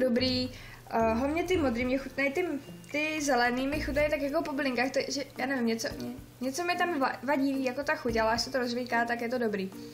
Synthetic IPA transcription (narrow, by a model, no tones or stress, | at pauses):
dobɾiː | ɦomɲɛt̪ɪmod̪ɾiːmɲɛxut̪nɛjt̪ɪt̪ɪzɛlɛniːmɪxut̪nɛjt̪akjak̬o̞poblɪŋkaːxt̪aʒɛjaːnɛvɪmɲɛt͡soɲ | ɲɛt͡somɲɛt̪amvavaɟiviːjakot̪axucalaaʃsɛt̪oɾozvijkaːt̪akjɛt̪odobɾiː